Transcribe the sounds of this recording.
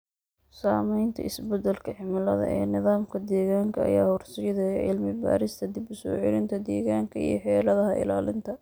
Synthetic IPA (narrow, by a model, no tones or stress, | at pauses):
saːmɛjnt̪ʰɐ̰ɪsbɛd̪ɐlkʰɐħɪmɪlɐðɐ̰ʔɛ̰ːnɪðaːmkʰɐd̪ɛːɣaːŋkʰɐɐ̰jaːhʊrsɪjɐðɐɛʕɪ̰lmɪba̰ːɾɪst̪ʰɐd̪ibʊsɔ̰ːʕɪ̰ɾɪnt̪ʰɐd̪ɛːɣaːŋkʰɐḭjɞħɛːlɐðɐɦɐʔɪ̰laːlɪnt̪ʰɐ